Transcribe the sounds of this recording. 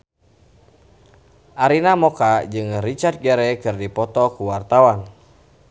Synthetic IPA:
ʔaɾinamɔkad͡ʒɨŋrit͡ʃart̪̚ɡɛɾɛkɨrdipɔt̪ɔkuwart̪awan

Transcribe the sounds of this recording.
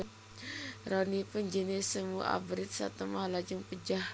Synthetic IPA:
rɔnipənd͡ʒənisəmuʔa̰bɾɪt̪̚sa̰t̪əmahlad͡ʒuŋpəd͡ʒah

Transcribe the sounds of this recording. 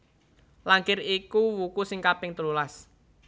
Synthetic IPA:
laŋkɪɾikuwukusɪŋkapɪŋt̪əlulas

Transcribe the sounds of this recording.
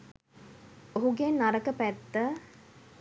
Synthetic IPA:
oɦuɡenːaɾəkəpæt̪ːə

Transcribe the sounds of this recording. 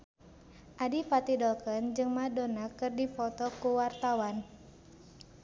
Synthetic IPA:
ʔadifat̪idɔlkənd͡ʒɨŋmadɔnakɨrdifɔt̪ɔkuwart̪awan

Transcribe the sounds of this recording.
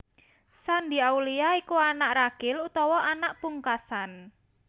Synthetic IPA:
sand̪i̤aulijaikuanaʔraɡ̥ɪlut̪ɔwɔʔanaʔpuŋkasan

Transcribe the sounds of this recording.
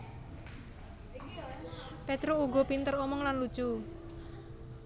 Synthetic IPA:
pet̪ɾouɡɔpint̪əɾomɔŋlanlut͡ʃu

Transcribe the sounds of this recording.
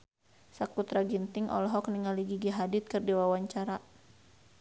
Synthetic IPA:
sakut̪ɾaɡint̪ɪŋʔɔ̰lɔɦɔk̚niŋaliɡiɡiɦadɪt̪̚kɨrdiwawaɲt͡ʃaɾa

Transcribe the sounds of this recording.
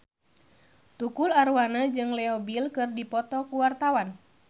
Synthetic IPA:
t̪ukularwanad͡ʒɨŋlɛɔbilkɨrdipɔt̪ɔkuwart̪awan

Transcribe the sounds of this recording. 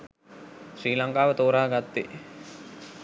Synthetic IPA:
sriːlaŋkaːʋət̪oːɾaːɡat̪ːi

